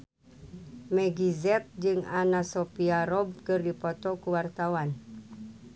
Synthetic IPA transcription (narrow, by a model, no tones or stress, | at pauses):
mɛɡizɛt̪̚d͡ʒɨŋanasɔpiaɾɔb̚kɨrdipɔt̪ɔkuwart̪awan